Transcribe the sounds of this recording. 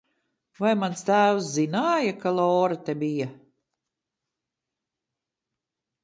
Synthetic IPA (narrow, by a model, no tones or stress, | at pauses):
vajmanst̪æːwszinaːjakalˠɔːɾat̪ebija